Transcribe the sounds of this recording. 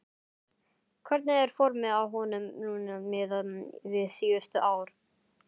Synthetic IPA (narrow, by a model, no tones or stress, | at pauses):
kʰvɛɾt̪naɛɾ̥fɔɾmɪðawɦɔnʏmnuːnamɪðavɪðsiːʏst̪ʏʔaːwɾ̥